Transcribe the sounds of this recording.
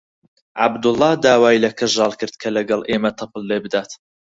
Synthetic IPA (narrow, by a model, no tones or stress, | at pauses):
ʕa̰bd̪ʊlˠːɑd̪aːwaːjlɐkʰɨʒɑːlˠkɨɾd̪kʰɐlɐɡɑlˠʔeːmɐt̪ʰɨpʰɨlːebɨd̪aːt̪